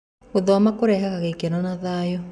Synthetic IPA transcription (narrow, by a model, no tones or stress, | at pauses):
oðɔamakoɾɛɦaɣaɣekenɔnaðaːjɔ